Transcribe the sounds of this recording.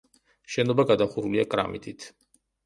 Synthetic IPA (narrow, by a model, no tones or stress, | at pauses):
ʃɛnɔbaɡad̪aχuɾuliakʼɾa̰mḭt̪ʼit̪ʰ